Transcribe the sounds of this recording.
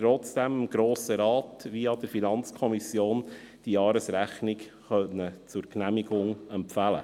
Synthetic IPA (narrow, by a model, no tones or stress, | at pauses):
tɾɔt͡sd̥ɛməmɡ̥ɾoːsəɾɑːtʋiɑd̥̪əɾfinɑnt͡skʰɔmisjoːn | d̥ijɑːɾəsɾæχnɪk | χœnət͡sʊɾknæmiɡʊŋɛmpfælə̰